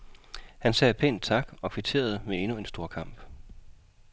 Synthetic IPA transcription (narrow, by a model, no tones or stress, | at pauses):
hænsɛːpʰen̰t͡sʰɑ̈ɡ̥ɒ̽kʰʋit͡sʰe̝̰ːɐð̞̩ˠəmee̝nue̝nsd̥o̝ɐkʰɑ̈m̰b̥